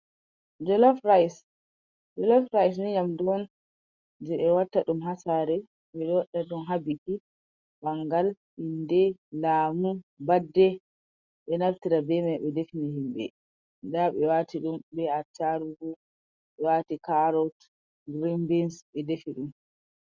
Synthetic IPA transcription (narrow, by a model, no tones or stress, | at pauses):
d͡ʒɔlɔfɾajs | d͡ʒɔlɔfɾajs̬niɲamduɔn | d͡ʒɛɓɛwatːaɗumɦasaɾɛ | ɓɛɗɔɗːaɗumɦabiti | baŋɡal | indɛlaːmubadːɛ | ɓɛnaɾtiɾabɛmajɓɛdefiniɦimɓɛ̰ | ndaɓɛwatʰiɗumbɛatːaɾuɡu | ɓɛwatikaɾɔt | ɡɾimbinsɓɛdefiɗum